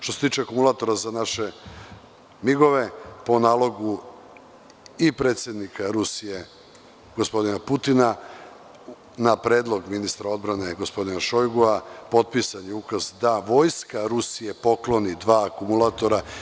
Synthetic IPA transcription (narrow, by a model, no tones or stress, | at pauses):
ʃt̪ose̞t̪iːt͡ʃekumulat̪o̞ɾazanaʃe̞ | miɡo̞ʋe̞po̞naːlˠo̞ɡu | ipɾet̪sʲje̞d̪nikʰaɾusije | ɡo̞spo̞d̪inaput̪ina | napɾe̞ːd̪lˠo̞ɡminist̪ɾao̞d̪̚bɾane̞ɡo̞spo̞d̪inaʃo̞jɡoapo̞d̪̚pisaɲeukazd̪aʋo̞ːjskaɾusije̞po̞klˠo̞nid̪ʋaːkumulˠat̪o̞ɾa